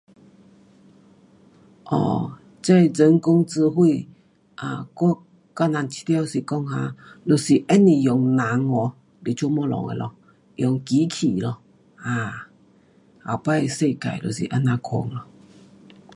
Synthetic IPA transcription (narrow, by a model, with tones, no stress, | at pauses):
ʔɔ̰˧˩ | t͡se˦˨d͡zə˨˦ŋkʊ˧ŋt͡sɹ̩˧ɦwi˥˧˨ | ʔa˨˩k | ka˦˧˨na˨˧nt͡ɕʰi̥˧˦t̪si˨˩kɔ˥˧ŋhã̰˧lo˨˩si˨ʔɛ˦˥nːi˧˨jɔ˨ŋna˨˦ŋɔ˨˧ | li˨˩t͡ɕʰu˧˦mɔ˧˨lɔ̰˨ŋḛ˨lʔɔ˧ | jɔ˨ŋki˨˦kʰi˨lɔ˧˩ | a˧˩ | a̰˨˩wpa˧˨˧se˥˧˨ka̰˨jlo̰˨˩sḭ˨ʔa˧˥nã˧kʰo̰˧˦ŋlɔ˧˩